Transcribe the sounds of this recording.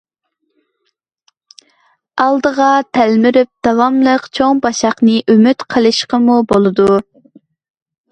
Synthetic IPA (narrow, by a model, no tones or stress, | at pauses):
ɑlˠd̪əʁɑt̪ʰælmyɾyp̚d̪̥ɑwɑmlˠəqt͡ʃʰoŋbɑʃɑχnɨʔymyt̪qʰəlˠɨʃqəmubolˠɨd̪u